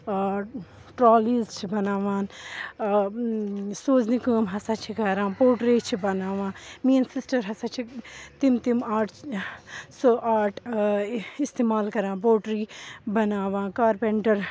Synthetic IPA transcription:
ʈɾaːliːzt͡ʃʰibɐnaːʋaːn | soːznikuːmɦɐsat͡ʃʰikɐɾãːboːɖɾit͡ʃʰibɐnaːʋãːmiːnsisʈɐɾɦɐsat͡ʃʰit̪imt̪imaːʈʰ | soːʔaːʈʰ | ist̪eːmaːlkɐɾãːboːɖɾiːbɐnaːʋãːkaːɾpeɳʈɐɾ

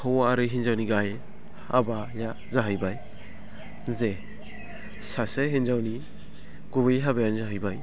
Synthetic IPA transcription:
hɔwaːɾɯɦinzawniɡaje | a̰ba | ja | zaɦɯjbaj | ze | saseɦinzawni | ɡubejɦabajanzaɦɯjbaj

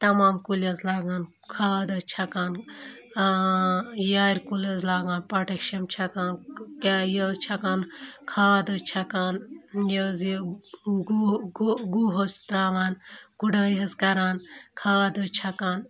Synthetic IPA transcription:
t̪ɐmaːmkulɐzlaːɡaːn | kʰaːd̪ɐt͡ʃʰɐkaːn | jaːɾʲkulɐzlaːɡaːnpɐʈɐkʃɐmt͡ʃʰɐkaːnkajɐːzt͡ʃʰɐkaːnkʰaːd̪ɐt͡ʃʰɐkaːnjɐːz | ɡɡɡuɦɐzt̪ɾaːʋaːnɡuɖɐːjɦɐzkɐɾaːnkʰaːd̪ɐt͡ʃʰɐkaːn

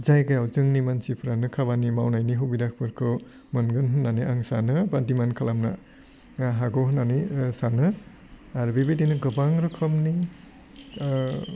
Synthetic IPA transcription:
zajɡajawzɯŋnimansipʰɾanɯkʰaβanimawnajniɦubidak̚ʰpʰɯɾkʰɯ | mɯnɡɯnɦɯnːaniʔaŋsanɯbadimankʰalamna̰ | ɦaɡɔɦɯnanisanɯ | aɾbibedinɯɡɯbaŋɾɔkʰɔmni

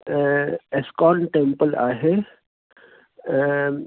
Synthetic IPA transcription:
eskɔːnʈẽmpəla̰ːɦe

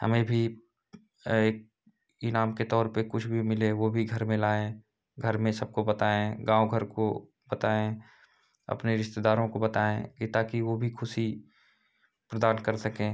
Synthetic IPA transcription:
hə̰mẽbʱi | eːk̚ | ɪnaːmket̪ɔːɾpəkʊt͡ʃʰbʱimɪleʋobʱiɡʱɐɾmẽlaːẽ | ɡʱəɾmẽsəb̚kobɐt̪aːẽɡãːoɡʱəɾko | bət̪aːẽ | ɐ̰pneɾɪʃt̪ed̪aːɾõkobət̪aːẽɡit̪aːkiʋobʱikʰʊsi | pɾəd̪aːnkəɾsɐkẽː

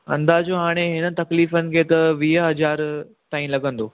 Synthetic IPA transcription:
ɐ̰̃nd̪aːd͡ʑoːɦaːɽ̃eɦɪnə̆t̪ɐkliːfənɪ̆kʰeːt̪ɐʋiːɦɦɐd͡ʑaːɾ | t̪aːĩlɐɠə̃nd̪oː

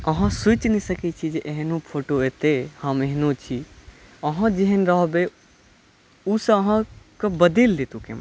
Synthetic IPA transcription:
əɦãsut͡ʃnisəkɛt͡ʃʰid͡ʒeʔeɦnũpʰoʈoet̪ehəmeɦnũt͡ʃʰi | əɦãd͡ʒeɦənɾəɦbe | usə̃əɦãkəbəd̪elːet̪ukḛma

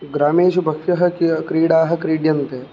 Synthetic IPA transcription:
ɡɾaːmeːʃubʱɐkʃɐɦɐkikɾiːɽaːɦɐ̆kɾiːɽjɐnt̪e

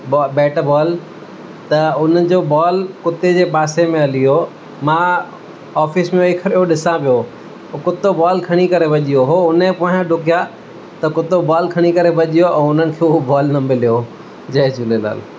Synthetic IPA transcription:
bɔbɛːʈbɔːl | t̪ɐʊn̤əɪ̆d͡ʑoːbaːlkʊt̪ed͡ʑeːpaːsemẽɐlijo | mãː | ɔːfɪsmẽikʰɐɾjoɗɪsãpijo | kʊt̪obaːlkʰɐɽ̃ikɐɾebʱɐʄijoɦoʊnẽpoːɦãɖʱʊkija | t̪ɐkʊt̪obaːlkʰɐɽ̃ikɐɾebʱɐʄijoʔɛ̃ːʊn̤ənɪ̆kʰeːʊobaːlnɐmɪlijo | d͡ʑɐɦd͡ʑʊlela̰ːl

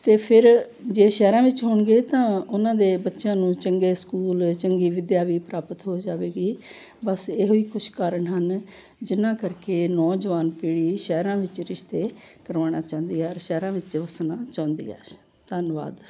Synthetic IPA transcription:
t̪eːpʰɪɾ | d͡ʒeːʃɛːɾãːʋɪt͡ʃɦoːɳɡeːt̪ãːʊnãːd̪eːbətːʃãːnũːt͡ʃəŋɡeːskuːlt͡ʃəŋɡiːʋɪd̪jaːʋiːpɾaːpət̪ɦoːd͡ʒaːʋeːɡiː | bəseːɦoːiːkʊt͡ʃʰkaːɾəɳɦən | d͡ʒɪnːãːkəɾkeːnɔːd͡ʒʋaːnpiːɽiːʃɛːɾãːʋɪt͡ʃɾɪʃt̪eː | kəɾʋaːɽ̃aːt͡ʃãːʊ̃nd̪iːɛːɾʃɛːɾãːʋɪt͡ʃʋəsnaːt͡ʃãːʊ̃nd̪ḭːɛ̰ː | t̪ənʋa̰ːd̪

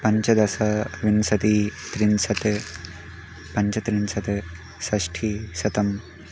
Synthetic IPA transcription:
pɐɲt͡ʃɐd̪ɐsɐʋinsɐt̪it̪ɾinsɐt̪e | pɐɲt͡ʃɐt̪ɾinsɐt̪e | sɐsʈʰisɐt̪ɐm

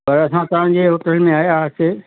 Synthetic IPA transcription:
pɐɾɐsãt̪ɐʋ̤ã̆d͡ʑeɦoːʈəlmẽaːɦeaːse

